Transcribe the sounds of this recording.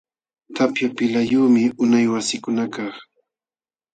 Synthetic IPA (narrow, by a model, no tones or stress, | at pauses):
t̪apjapɪlajuːmɪʔʊnajwasɪkʊnakɑχ